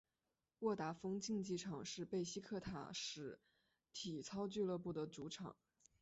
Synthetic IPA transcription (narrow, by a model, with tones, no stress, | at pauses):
wɔ˥˩t̪a˧˥fɤ˥ŋt͡ɕi˥˧ŋt͡ɕi˥˩ʈ͡ʂʰɑ˨˩ŋʂɻ̩˥˧pe˥˩ɪɕi˥kʰɤ˥˩t̪ʰa̰˨˩ʂɻ̩˧˥˦ | t̪ʰi˨˩t͡sʰɑ˥ʊt͡ɕy˥˧lɤ˥˧pu˥˩d̪ə˩t͡su˧˥ʈ͡ʂʰɑ̰˨˩˦ŋ